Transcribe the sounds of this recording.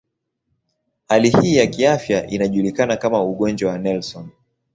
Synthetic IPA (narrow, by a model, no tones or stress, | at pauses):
halihiːjakiafjaʔinaʄulikanakamauɠɔnd͡ʒwawanɛlsɔn